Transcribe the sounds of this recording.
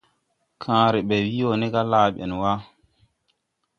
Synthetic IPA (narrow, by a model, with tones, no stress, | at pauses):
kʰãː˨ɾi˨ɓɛ˨wi˦o˨nɛ˦ka˦laː˨ɓḛ˨n˨wa˦